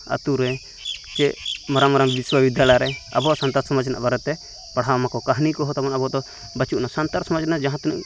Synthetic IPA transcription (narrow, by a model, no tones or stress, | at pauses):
a̰t̪uɾɛ | t͡ʃɛmaɾamaɾambiswabid̪ʱjalajɾɛa̰bɔsant̪aɾsɔməd͡ʒnaʔbaɾɛt̪ɛ | paɽ̤awmakɔkaɦnikɔɦɔt̪amɔnabɔd̪ɔ | bat͡ʃuʔnasant̪aɾsɔməd͡ʒnad͡ʒaɦãt̪nuʔ